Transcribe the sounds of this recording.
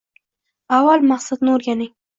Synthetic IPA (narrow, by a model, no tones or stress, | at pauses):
awalmaqsad̪nɪoɾɡʲanɪŋ